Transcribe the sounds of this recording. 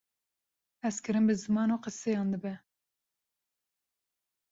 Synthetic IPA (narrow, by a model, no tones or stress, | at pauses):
ɛskɨɾɨnbɨzɨmɑːnoːqɨsejɑːnd̪ɨbɛ